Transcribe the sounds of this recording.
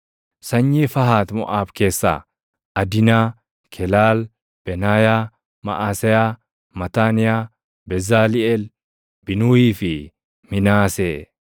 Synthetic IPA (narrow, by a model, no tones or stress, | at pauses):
sɐɲːeːfɐɦaːt̪mʊʔaːbke̞ːsːa̰ː | ʔɐd̪ɪnaː | kʰɛlaːl | b̥ɛnaːjaː | mɐ̰ʔaːsɛjaː | mɐt̪aːnɪjaː | bɛzaːlɪɛl | bɪnuːiːfɪ | mɪnaːsɛ